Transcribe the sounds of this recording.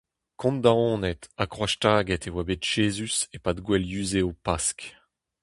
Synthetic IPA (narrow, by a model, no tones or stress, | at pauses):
kʰɔ̃nd̪aɔ̃nɛt̪akχwaʃtaːɡɛt̪ewabet̪ʒ̥eːzysepad̪ɡwɛljyːzeopask